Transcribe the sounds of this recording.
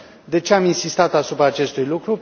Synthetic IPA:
d̪e̞t͡ʃeaminsist̪at̪asupɾaːt͡ʃe̞st̪ujlukɾu

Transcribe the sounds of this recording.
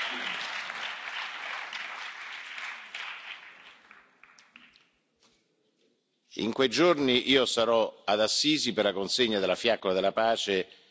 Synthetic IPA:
ḭŋkwejd͡ʒorniʔiːosaɾɔad̪asːiːziperlakonseɲːad̪elːafjakːolad̪elapaːt͡ʃe

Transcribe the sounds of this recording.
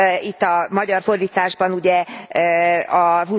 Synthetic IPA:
it̪ːɒmɒɟɒrfo̞rd̪iːt̪aːʒbɒnuɟɛ | ɒɦu

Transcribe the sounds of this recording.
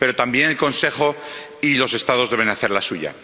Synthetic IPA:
pe̞ɾo̞t̪ambje̞nelko̞nse̞χo̞ | ilo̞se̞st̪að̞ozðe̞βe̞naθe̞ɾlasuʝa̰

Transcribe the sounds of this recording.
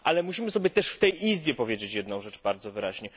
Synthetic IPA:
ʔalɛmuɕimɘsɔbʲjɛt̪ɛʂft̪ɛjʔizbʲjɛpɔvʲjed͡ʑet͡ɕjɛd̪nɔ̃w̃ʐɛt͡ʂbaɾd̪zɔvɘɾaʑɲɛ

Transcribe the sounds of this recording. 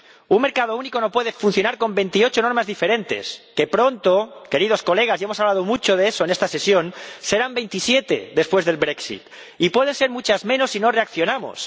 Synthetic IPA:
unŋme̞ɾkað̞o̞uniko̞no̞pwe̞ðe̞fun̟θjo̞naɾko̞mbe̞nt̪io̞t͡ʃo̞no̞ɾmazðife̞ɾẽ̞nt̪e̞̰ske̞pɾo̞nt̪oke̞ɾið̞o̞sko̞le̞ɣ̞asjemosaβlað̞o̞mut͡ʃo̞ð̞e̞eso̞ene̞st̪ase̞sjo̞nse̞ɾambe̞jnt̪isje̞t̪e̞̰ðe̞spwe̞zðe̞lbɾe̞ksḭt̪ | ipwe̞ð̞e̞nse̞ɾmut͡ʃazmẽno̞sːino̞re̞akθjo̞namo̰s

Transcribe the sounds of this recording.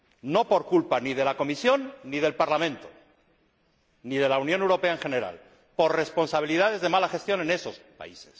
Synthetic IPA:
no̞po̞ɾkulpanið̞e̞lako̞misjo̞nːið̞e̞lpaɾlamẽ̞nt̪o̥ | nið̞e̞launjonewɾo̞pe̞aeŋxe̞ne̞ɾa̰l | po̞ɾre̞spo̞nsaβ̞iliðað̞e̞zðe̞malaxe̞st̪jo̞ne̞ne̞so̞spa̰ises

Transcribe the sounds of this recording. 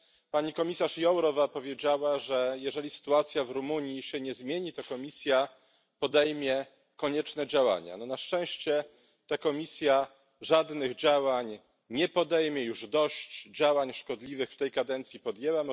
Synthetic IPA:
paɲikɔmʲisaʂjɔwɾɔvapɔvʲjed͡ʑawaʐɛjɛʐɛlʲisɘ̥t̪uat̪sʲjavɾumuɲjiɕɛɲɛzmʲjeɲit̪ɔkɔmʲisʲja | pɔd̪ɛjmʲjɛ | kɔɲɛt͡ʂnɛd͡ʑawa̰ɲa̰nɔnaʂt͡ʂɛ̃w̃ɕt͡ɕɛ | t̪akɔmʲisʲja | ʐad̪nɘɣd͡ʑawaɲ | ɲɛpɔd̪ɛjmʲjɛjuʐd̪ɔɕt͡ɕd͡ʑawaɲʂkɔd̪lʲivɘxft̪ɛjkad̪ɛnt̪sʲipɔd̪ʲjɛwam

